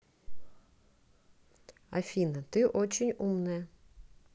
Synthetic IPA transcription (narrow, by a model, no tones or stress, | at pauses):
ɐ̰fʲinɐt̪ɪʔɔt͡ɕɪnʲumnɨjɐ